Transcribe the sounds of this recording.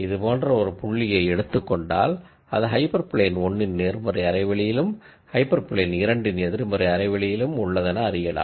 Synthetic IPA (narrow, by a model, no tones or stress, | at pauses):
ɪðɯpoːndrɐɔɾɯpʊɭːɪjɐɪɛɽɯt̪ːɯkːɔɳɖa̰ːl | ɐðɯɦɐɪpɐɾpɪɭeːnɔɳːɪnneːɾmɐrɐɪɐɾɐɪʋɐɭɪjɪlɯm | hɐɪpːɐɾpɪɭeːnɪɾɐɳɖɯnɛðɪɾɯmɐrɪɐɾɐɪʋɐɭɪjɪlɯmʊɭːɐðɛnɐːɾɪjɐla̰ː